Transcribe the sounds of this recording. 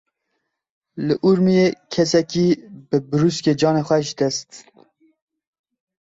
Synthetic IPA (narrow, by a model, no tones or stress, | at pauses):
lɨʔuɾmijekʰɛsɛkibɨbɨɾuskeːd͡ʒɑːneːxʷɛʃd̪ɛst̪